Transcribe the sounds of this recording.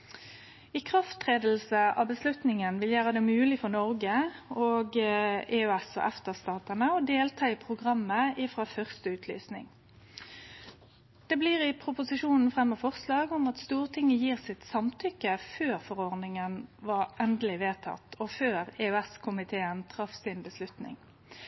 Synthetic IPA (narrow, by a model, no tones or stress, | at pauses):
ɪkʰʁɑft̪ʁeːd̪əl̩səɑ̰ːbəslʉt̪nɪŋənʋɪljæːʁəd̪ɛːmʉːlɪfɔʁnɔʁɡəoɡeːøɛsɔ̰ʔɛft̪əʁst̪ɑːt̪ənəɔd̪eːlt̪ʰɑːɪpʰʁʊɡʁɑmːəɪfʁɑːfœʁst̪əʉːt̪ʰly̰ːsnɪ̰ŋ | d̪̥ɛbliːʁɪpʰʁʊpʊsɪʂuːnn̩fʁɛmːəfɔʁslɑːɡɔmɑt̪st̪uːʁt̪ʰɪŋːəjiːʁsɪt̪sɑmt̪ʰʏkːəføːʁfɔʁɔʁnɪŋənʋɑʁʔɛnd̪əlɪʋeːt̪ʰɑ̰t̪ːɔføːʁeœɛskʰʊmɪt̪ʰeːənt̪ʰʁɑfsɪnbəslʉt̪nɪ̰ŋ